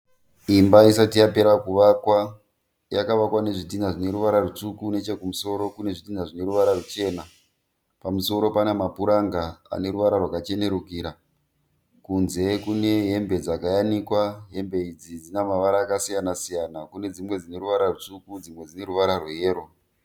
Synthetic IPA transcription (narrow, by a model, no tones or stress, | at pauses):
imbais̬atijape̞ɾakuʋakwa | ja̰kaʋakwane̞ʐitinaʐine̞ɾuʋaɾarut͡ʂukune̞t͡ʃe̞kumuso̞ɾo̞kune̞ʐitinaʐine̞ɾuʋaɾarut͡ʃe̞ːna | pamuso̞ɾo̞panemapuɾaŋɡaa̰ne̞ɾuʋaɾarwakat͡ʃe̞ne̞ɾukiːɾa | kunze̞kune̞ɦe̞mbe̞d͡zakajanikwaɦe̞mbe̞id͡zid͡zinamaʋaɾaːkasijanasijanakune̞d͡zimwe̞d͡zine̞ɾuʋaɾarut͡ʂukud͡zimwe̞d͡zine̞ɾuʋaɾarwejeːɾo̞